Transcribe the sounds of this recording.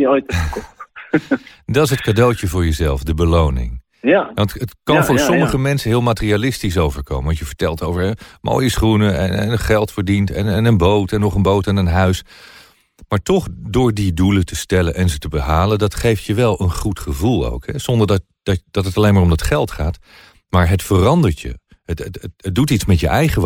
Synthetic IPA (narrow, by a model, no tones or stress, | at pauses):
ojtk | dɑtɪsɦətkadowcəvʊːɹjəzɛlˠfdəbəlownɪ̰ŋ | ɑntətkɑnvʊːɹsɔməχəmɛnsəɦɪːlˠmaːtərialɪstis̬owvəɹko̰wməʋɑnjəvəɹtɛlˠtowvəɹɦɛmʔo̰ːjəsχrunəɛ̰nɛ̰nəχɛlˠtfəɹdintɛ̰nɛnənbowtɛnːɔχənbowtɛnənɦœɥs | maːɹtɔχdʊːɹdidulətəstɛlənʔɛnzətəbəɦaːləndɑtχejftjəʋɛlˠənχutχəvulˠo̰wkɦɛz̥ɔndəɹdɑ | d̥ɑd̥ɑtətɑlejnmaːɹomdɑtχɛlˠtχaːt | maːɹɦətfərɑndəɹtjə̰ | ətədutitsmɛtjəʔɛjχəʋ